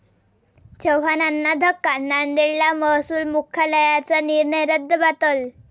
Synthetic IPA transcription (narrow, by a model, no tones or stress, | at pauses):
t͡ɕəwɦananːad̪ʱəkːanːand̪eɭlaməɦsuːlmukʰaləjat͡saniɾɳəjɾəd̪ʱːəbat̪əl